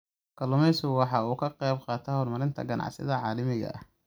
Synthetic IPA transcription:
kʰɐlʊmɛsʊwɑħɑuːkʰɐqɛjbqɑːt̪ʰɐhɔːrmɐɾɪnt̪ʰɐ̰ɡɐnʔɑ̰ʕsɪ̰ðɐʕɑːlɐmɪɣɐ̰ʔɐ̰h

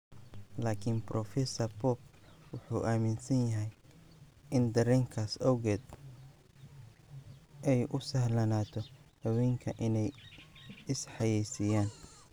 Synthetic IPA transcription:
laːkʰɪnbrʔɔfɛsɐrpɔːb̚wʊħuːʔaːmɪnsɐnjɐɦɛj | ʔɪnd̪ɐɾɛŋkʰaːsɐwɣɛːd̪ | ʔɛjʔʊsɐhlɐnaːt̪ʰɔhɐwɛːŋkʰɐʔɪnɛj | ɪsħɑjɛjsɪjaːn

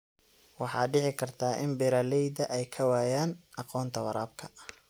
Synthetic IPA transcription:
wɑħɑ̰ːɖɪʕɪkʰɐrt̪ʰaːʔɪ̰mbɪɾaːlɛjd̪ɐʔɛjkʰɐwaːjaːnɑqɔːnt̪ʰɐwɐɾaːb̚kʰɐ̥

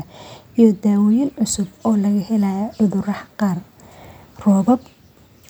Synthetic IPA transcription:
ɐ | ijɔd̪aːwɔjɪnʕʊsʊbɔːlɐɣɐhɛlɐjaʔʊðʊrɑħqɑːr | rɔːβɐb

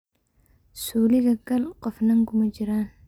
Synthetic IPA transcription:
suːlɪɣɐɡɐlqɔfnɐŋkʰʊmɐt͡ʃɪɾaːn

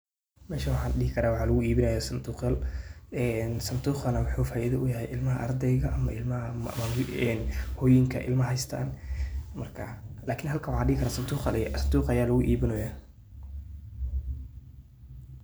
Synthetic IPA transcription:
mɛːʃɐwɑħɑːɗɪhɪkʰɐɾaːwɑħɑːlɐɣʊiːβɪnɐjasɐnd̪uːqjalɛnsɐnd̪uːχɐnɐwʊħuːfaːʔiðɐʔʊjɐɦɛjʔɪlmɐɦɐʔɐrd̪ɛjɣɐʔɐmɐɪlmɐɐ | ɛːnhɔːjɪŋkʰɐ̰ʔɪ̰lmɐɦɛjst̪ʰa̰ːnmɐrkʰɐ̰laːkʰɪnɦɐlkʰɐwɑħɑːɖɪhɪkɐɾaːsɐnd̪uːχɐlɛjsɐnd̪uːqɐjaːlɐɣʊʔiːβɪnɛjaː

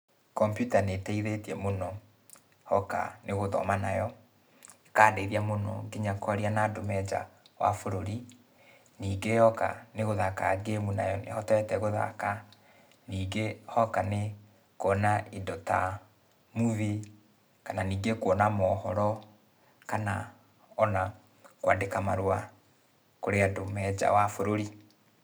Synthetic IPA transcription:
kɔmpjutanetɛiðetiɛmonɔ | hɔka̰nʔeɣoðɔ̰manajɔ | ekaːdeðiamonɔ̰ɡeɲakɔɾianadomɛd͡ʒa̰ | wa̰foɾoɾi | niːɡejɔka̰neɣoðakaɡemuna̰jɔnḛhɔtɛtɛɣoða̰ka | niːɡehɔkane | koːnaedɔta̰ | muβi | kananiːɡekwɔnamɔhɔɾɔ | kana | ɔna | kwadekamaɾwa | koɾeadomɛd͡ʒa̰wafoɾoɾi

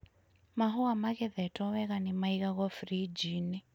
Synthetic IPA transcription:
maɦuamaɣɛðɛtɔwɛɣanimaiɣaɣɔfɾid͡ʒini

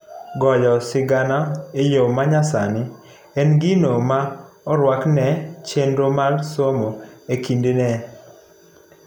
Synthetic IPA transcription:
ɡɔjɔsɪɡanaejomaɲasa̰nɪ | ɛnɡinomaɔɾwaknɛt͡ʃendomalsomoekindenɛ

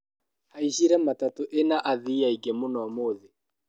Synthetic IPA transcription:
haiʃiɾɛmatatoʔenaʔaðiaiɡemonɔːmoːðe

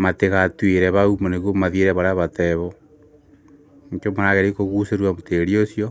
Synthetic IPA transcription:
mateɣatwiɾeβaumoneɣwomaðjeɾeβaɾaβateβɔ | ɲkomonaɣeɾikoɣuseɾwamoteɾiosjo

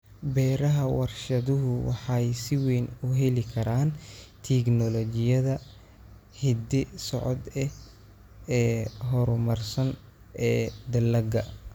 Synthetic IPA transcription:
bɛːɾɐɦɐwɑrʃɐðʊɦʊwɑ̰ħɑjsɪwɛːnʊɦɛlɪkʰɐɾaːnt̪ʰɛɡnɔlɔt͡ʃɪjɐðɐ | hɪd̪ɪsɔʕɔd̪ɛ | ɛːɦɔɾʊmɐrsɐn | ɛːd̪ɐlɐɡɐ

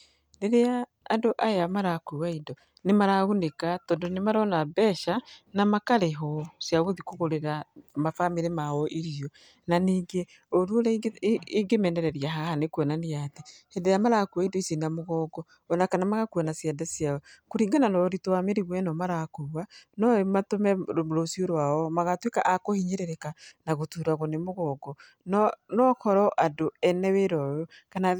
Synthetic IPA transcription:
neɾeaː | ndoʔajamaɾakowaindɔ | nemaɾaɣonekatɔːndonemaɾɔnabɛʃanamakaɾeɦɔsjaɣoðikoɣoɾeɾamafameɾemaɔʔiɾiɔ | naniːŋɡe | oɾuoɾiɡemɛnɛɾɛɾiaɦahanekwɔnanejatehɛdɛjamaɾakuaindoisenamoɣɔɡɔ | ɔnakanamaɣakuanasjadasjaɔkoɾiːŋɡananɔɾitowameɾiɣwɛnɔmaɾakuwanɔmatomɛoɾosioɾwaɔmaɣatwekaʔakohiɲeɾeɾɛkanaɣotuɾaɣonemoɣɔːɡɔ | nɔnɔkɔɾɔʔadoɛnɛweɾɔjɔkana

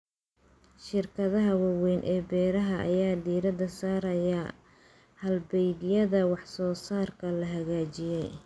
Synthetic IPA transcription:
ʃɪrkʰɐðɐɦɐwɑwɛjnʔɛːbɛːɾɐɦɐʔɐ̰jaːd̪iːɾɐd̪ɐsaːɾɐjaɐː | hɐlbɛjðɪjɐðɐwɑħsɔːsaːrkʰɐlɐɦɐɣaːt͡ʃɪjɛj

